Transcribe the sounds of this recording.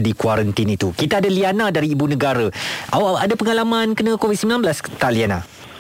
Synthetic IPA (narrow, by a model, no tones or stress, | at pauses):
dikwaɾənt̪init̪ukit̪aadalianãdaɾiːbunəɡaɾaʔawadapəŋalamãnkənəkovid̚səmbilanbəlast̪aʔlianã̰